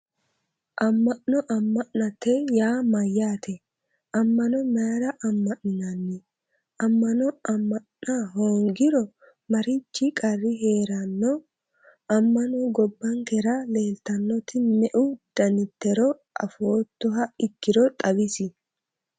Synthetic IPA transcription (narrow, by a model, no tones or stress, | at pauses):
ʔɐmːɐʔnɔʔɐmːɐʔnɐt̪ːɛjaːmɐjːaːt̪ʰɛ | ʔɐmːɐnɔmaɾɐʔɐmːɐʔnɪnɐnːɪ | ʔɐmːɐnɔɐmːɐ | naɦoːŋɡɪɾɔ | mɐɾɪt͡ʃːɪkʼɐrːɪɦe̞ːɾɐnːɔ | ɐmːɐnɔɡɔbːɐŋkɛɾɐle̞ːlt̪ɐnːɔt̪ɪmɛʔʊd̪̥ɐnɪt̪ːɛɾɔʔɐ̰foːt̪ːɔɦɐɪkːɪɾɔt̪ʼɐbɪsɪ